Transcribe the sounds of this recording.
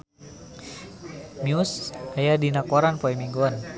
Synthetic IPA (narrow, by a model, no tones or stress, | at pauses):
miusajadinakwaɾanpɔɛmiŋɡɔan